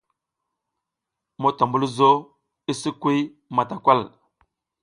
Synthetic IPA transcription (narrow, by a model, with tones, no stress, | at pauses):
mo˦ta˨mbu˦lzo˦ | i˦si˦kwi˦j | ma˨ta˨kʷa˦˨l